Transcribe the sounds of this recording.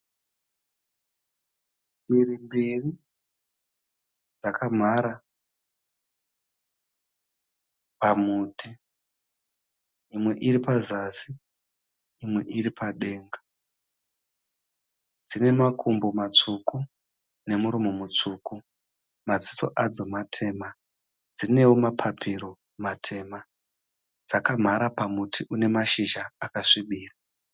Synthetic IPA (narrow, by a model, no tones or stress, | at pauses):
ɓirimberi | ʐakʰam̤aɾa | pamuːti | imwe̞ʔiripazasiː | mwe̞̰ʔiripʰaɗe̞ːŋɡa | d͡zine̞makʰumbomat͡ʂuku | ne̞muɾumo̞mut͡ʂuːku | mad͡ziso̞̰ʔad͡zo̞matʰe̞ːma | d͡zd͡zine̞wo̞mapʰapʰiɾo̞ | matʰe̞ːma | d͡zakam̤aɾapamutʰiʔune̞maʃiʒaːkaʂiɓiːra